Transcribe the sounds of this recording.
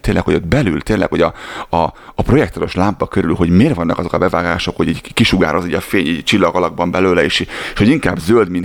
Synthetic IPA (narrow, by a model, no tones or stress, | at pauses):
t̪eːnlɛ̰kho̞ɟot̪bɛlylt̪eːnlʔɛ̰kho̞ɟɒɒːpro̞jɛk̚t̪ono̞ʃlaːmpːɒkøɾylɦo̞ɟmeːrvɒnːɒkɒzo̞kɒbɛvaːɡaːʃo̞kho̞ɟiːɟkiʃuɡa̰ːɾʔoziːɟɒfeːɲiːɟt͡ʃilːɒɡɒlɒɡ̚bɒmbɛløːlɛeːʃʃho̞ɟiŋkaːbzøld̪min